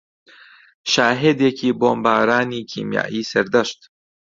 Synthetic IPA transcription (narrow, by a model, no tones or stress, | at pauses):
ʃaːɦed̪jekʰiːboːmbaːɾaːniːkʰḭːmja̰ːʔiːsɐɾd̪ɐʃt̪